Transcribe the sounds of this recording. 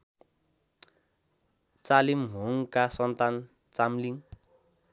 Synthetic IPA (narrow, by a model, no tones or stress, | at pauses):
t͡salimɦoŋkasʌnt̪an | t͡samliŋ